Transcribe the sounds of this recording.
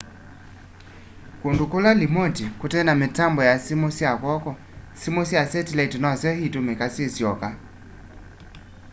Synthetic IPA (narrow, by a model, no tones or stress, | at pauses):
kondukolalimotikotɛnametambɔjasimosjakɔkɔ | simosjasɛtilaitinɔsjɔhitomekasjesjɔka